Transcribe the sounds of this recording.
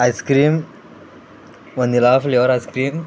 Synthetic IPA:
ajskɾiːm | ʋɐ̃nd̪ilaːfljoːɾajskɾiːm

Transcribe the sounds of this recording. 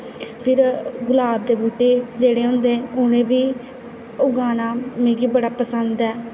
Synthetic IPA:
pʰɪɾɡʊlaːb̚d̪eːbuːʈeːd͡ʒeːɽeːɦʊ̃nd̪eːʊnẽːʋiː | ʊɡaːnaːmẽːɡiːbəɽaːpəsənd̪ɛː

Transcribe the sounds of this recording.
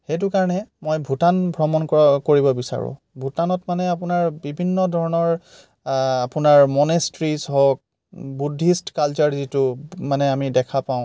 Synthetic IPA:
xejt̬ʊkaɹɔnɛmojbʱutanbʱɹɔmɔnkkoɹibɔbisa̰ɹʊ̰̃ | bʱutanɔtmanɛapʊnaɹbibʱinːɔdʱɔɹɔnɔɹ | apʊnaɹmɔnestɹisɔɦɔk̚ | budʱːistkalt͡ʃɔɹzitʊmanɛamidɛkʰapaʊ̃

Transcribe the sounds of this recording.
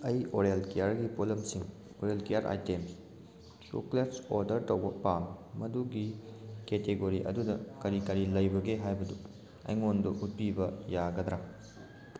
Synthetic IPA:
ɐjoɾelkejaɾɡipolɐmsiŋ | oɾelkejaɾʔa̰jtems | t͡ʃṵkletsoɾdɐɾtɐwbɐpamːɐduɡiketeɡoɾiʔɐ̰dudɐkɐɾikɐɾilɐjbɐɡeɦajbɐdu | ɐ̰jŋonduʔut̚pibɐjaɡɐd̪ɾa

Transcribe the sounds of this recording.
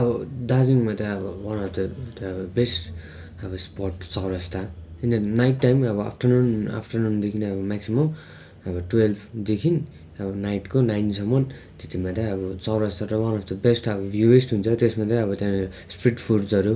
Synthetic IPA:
ʌbʌd̪ad͡ziŋmat̪aʌbʌwʌnʌpt̪ʌt̪ːbʌbesʈ | ʌbʌspɔʈt͡sʌwɾʌst̪ʰaind̪najʈːajmʌbʌa̰pʰʈʌrnuna̰pʰʈʌrnund̪ekʰinʌbʌmaksimʌm | ʌbʌʈwelpʰd̪ekʰin | ʌbʌnajʈkonajnsʌmːʌn | t̪et̪imad̪aʌbʌt͡sawɾʌst̪ʰaɾʌwʌnʌpt̪ʌbesʈʌbʌbjuesʈɦunt͡sʰʌt̪esmad̪aʌbʌt̪jã | spɾiʈpʰuɽd͡zʌɾu

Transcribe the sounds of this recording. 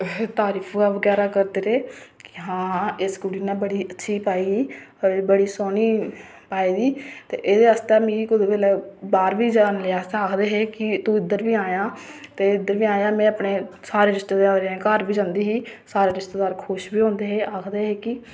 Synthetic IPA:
t̪aːɾiːpʰɡaːʋəɡɛːɾaːkəɾd̪eːɾeːkɪɦãːeːsɡʊɽiːnãːbəɽiːʔətːʃʰiːpaːiːiːbəɽiːsoːniː | paːiːd̪iːt̪ḛːʔeːd̪eːɦəst̪emĩːkʊd̪ebeːlɛːbaːɾʋiːd͡ʒaːnleaːaːkʰd̪eːɦeːkɪt̪ũːɪd̪əɾʋiːaːjãːt̪eːɪd̪əɾʋiːaːjãːmɛ̃ːəpɳeːsaːɾeːɾɪst̪eːd̪eːaːɾeːãːkaːɾbiːd͡ʒãːnd̪iːɦiːsaːɾeːɾɪst̪eːd̪aːɾkʰoʃbiːõːnd̪eːɦeːaːkʰd̪eːɦeːkɪ

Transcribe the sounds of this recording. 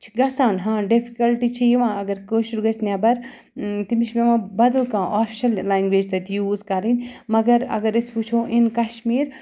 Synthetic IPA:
t͡ʃʰi̥ɡɐsaːnɦãːɖifʰikɐlʈit͡ʃʰijiʋãːɐɡɐɾkəːʃuɾɡɐsnʲjaːbɐɾ | t̪imiʃmẽʋãːbɐd̪ɐlkãːʔaːfʰi̥ʃɐllaːjnɡʋeːd͡ʒt̪ɐt̪ijuːzkaɾinmɐɡɐɾɐ̰ɡɐɾisput͡ʃʰoʔinkɐʃmiːɾ

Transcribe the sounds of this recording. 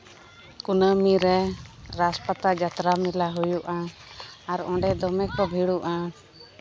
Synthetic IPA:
kunəmiɾɛɾaspat̪ad͡ʒat̪ɾamilaɦujuʔaː | ɾɔ̃ɳɖɛd̪ɔmɛkɔbʱiɽuʔa

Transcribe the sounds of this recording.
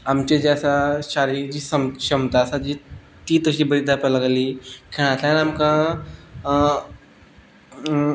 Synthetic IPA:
amt͡ɕed͡ʑeasaɕaɾid͡ʑiːsəmɕəmt̪aəsad͡ʑi | t̪iːt̪əɕiːbəɾid̪apalaɡaliːkʰeɭ̃at̪ajaniamkã

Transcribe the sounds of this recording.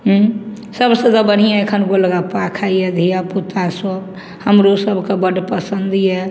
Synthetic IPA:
ɦ | səbsə̃d̪abəɽ̤ijãekʰənɡoləɡapakʰajed̪ʱijaput̪aso | həmɾosəbʱkebəɖpəsənd̪jɛ

